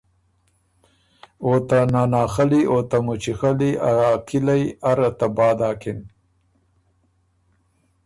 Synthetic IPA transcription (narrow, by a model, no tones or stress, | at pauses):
ot̪anɑːnɑːxaliʔot̪amut͡ʃixaliaɾaːkʰilajaɾat̪abɑːd̪ɑːkɪn